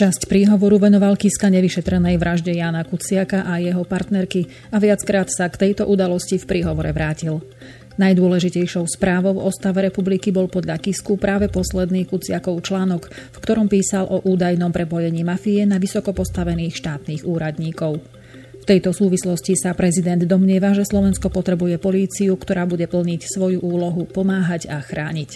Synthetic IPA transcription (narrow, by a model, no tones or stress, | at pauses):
t͡ʃascpɾiːɦɔʋɔɾuʋɛnɔʋalkiskaɲɛʋiʃɛt̪ɾɛnɛjʋɾʔaʒɟɛjaːnakut͡sɪakaʔajɛɦɔpaɾt̪nɛɾki | aʋɪat͡skɾaːt̪sakt̪ɛjt̪ɔʔud̪alɔscifpɾiːɦɔʋɔɾɛʋɾaːcil | najd̪ʊɔlɛʒicɛjʃɔʊspɾaːʋɔʊɔst̪aʋɛɾɛpublikibɔlpɔd̪ʎakiskupɾʔaːʋɛpɔslɛd̪niːxkut͡sɪakɔʊt͡ʃlaːnɔkfkt̪ɔɾɔmpiːsalʔɔʔuːd̪ajnɔmpɾɛpɔjɛɲiːmafijɛnaʋisɔkɔpɔst̪aʋɛniːxʃt̪aːt̪niːɣuːɾad̪ɲiːkɔʊ | ft̪ɛjt̪ɔsuːʋislɔscisapɾɛzid̪ɛnd̪ːɔmɲɪɛʋaʒɛslɔʋɛnskɔpɔt̪ɾɛbujɛpɔliːt͡siukt̪ɔɾaːbuɟɛpl̩ɲicsʋɔjuʔuːlɔɦupɔmaːɦaɟaxɾaːɲic